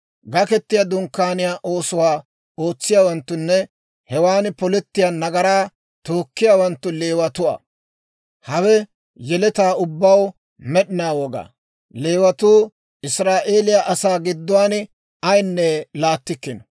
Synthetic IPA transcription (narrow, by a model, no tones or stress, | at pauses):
ɡɐkɛt̪ːɪjɐd̪ʊŋkːaːnɪjaːʔo̞ːsʊwaː | o̞ːt͡sːɪjaːwɐnt̪ːʊnːɛ | hɛwaːnpɔlɛt̪ːɪjaːnɐɡɐɾaː | t̪oːkːɪjaːwɐnt̪ːʊle̞ːwɐt̪ʊɐ̰ | hɐwɛ | jɛlɛt̪aːʊbːɐw | mɛɗɪnaːwɔɡa̰ː | le̞ːwɐt̪uː | ɪsɾaːʔeːlɪjaʔɐsaːɡɪd̪ːʊwaːn | ɐjnːɛlaːt̪ːɪkːɪn